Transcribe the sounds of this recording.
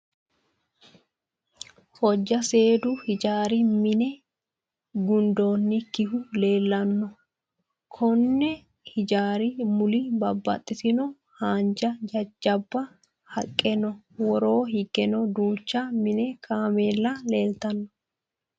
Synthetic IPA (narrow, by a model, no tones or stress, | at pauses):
hɔd͡ʒːɐse̞ːd̪ʊhɪd͡ʒaːɾɪmɪnɛ | ɡʊnd̪o̞ːnːɪkɪɦʊle̞ːlːɐnːɔ | kʰɔnːɛ | hɪd͡ʒaːɾɪmʊlɪbɐbːɐ̰t̪ʼːɪsɪnɔ | haːnd͡ʒɐd͡ʒɐd͡ʒɐbːɐ | hɐkʼːɛnɔ | wɔɾo̞ːɦɪɡɛnɔd̪uːt͡ʃːɐmɪnɛkʰaːmeːlːɐle̞ːlt̪ɐnːɔ